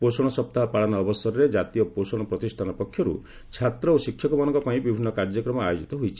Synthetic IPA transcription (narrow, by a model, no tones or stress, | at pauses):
posɔɽ̃ɔsɔp̚t̪aɦapaɭanɔːbɔsɔɾɔɾed͡ʒat̪ijɔposɔɽ̃ɔpɾɔt̪isʈʰanɔpɔkʰjɔɾṵ | t͡ʃʰat̪ɾɔosikʰːjɔkɔmanɔŋkɔpaĩbibʱinːɔkaɾd͡ʒɔkɾɔmɔajod͡ʒit̪ɔɦojt͡ʃʰi̥